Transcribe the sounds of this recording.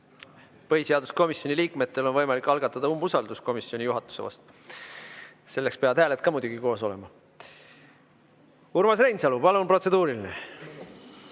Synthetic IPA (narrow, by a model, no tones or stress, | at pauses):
pɤɦiseɑd̪usko̞misjo̞niliːkˑmet̪ːˑe̞lo̞nvɤjmɑlikːˑɑlɡ̥ɑt̪ːˑɑd̪ɑumːusɑld̪usko̞misːio̞nʲijuɦɑt̪ːˑu̥se̞vɑ̰st̪ | se̞lːe̞kspeɑd̪̥hæːle̞t̪̚ˑkɑmujd̪uɡ̥iko̞ːso̞le̞̰mɑ | uɾmɑsrejnsɑlupɑlunpro̞t̪se̞d̪̥uːɾiline